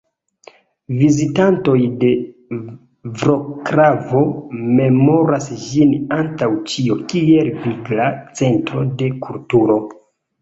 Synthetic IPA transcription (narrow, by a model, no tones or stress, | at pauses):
vizitanto̞jde̞ | vɾo̞kɾavo̞me̞mo̞ɾasʒinantawt͡ʃio̞kie̞lviɡlat͡se̞ntɾo̞de̞kʰultuɾo̞